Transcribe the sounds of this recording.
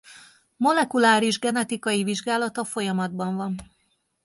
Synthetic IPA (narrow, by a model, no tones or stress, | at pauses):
mo̞lɛkulaːɾiʒɡɛnɛt̪ikɒjiviʒɡaːlɒt̪ɒfo̞jɒmɒd̪bɒɱvɒn